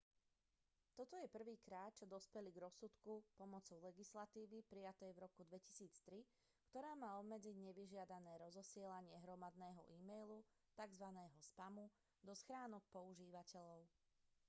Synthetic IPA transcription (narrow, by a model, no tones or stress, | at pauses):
t̪ɔt̪ɔjɛpr̩ʋiːkɾaːt̪̚t͡ʃɔd̪ɔspɛliɡɾɔsut̪kupɔmɔt͡sɔʊlɛɡislat̪iːʋipɾijat̪ɛjvɾɔkud̪ʋɛci̥siːt͡st̪ɾi | kt̪ɔɾaːmaːɔbmɛd͡ziɟɲɛʋiʒɪad̪anɛːɾɔzɔsɪɛlaɲɪɛɦɾɔmad̪nɛːɦɔ̰ʔiːmɛjlu | t̪aɡzʋanɛːɦɔspamu | d̪ɔsxɾaːnɔk̚pɔuʒiːʋacɛʎɔʊ